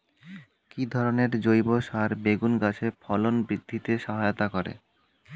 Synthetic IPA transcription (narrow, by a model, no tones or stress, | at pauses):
kid̪ʱɔɾoneɾd͡ʑojboʃaɾbeɡunɡat͡ɕʰepʰɔlonbɾid̪ʱːit̪eʃɔɦajot̪akɔɾḛ